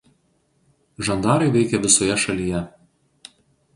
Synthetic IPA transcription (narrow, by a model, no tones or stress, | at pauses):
ʒɐnd̪ɑːɾɐɪʋʲɛɪkʲɛʋʲɪsoːjɛʃɐlʲijɛ